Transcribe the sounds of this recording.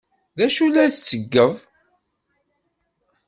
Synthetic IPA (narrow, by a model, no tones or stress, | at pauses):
ðæʃulæθt͡sːəɡːəðˤ